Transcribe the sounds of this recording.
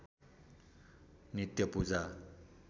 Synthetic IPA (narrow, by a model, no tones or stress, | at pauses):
nit̪jʌpud͡za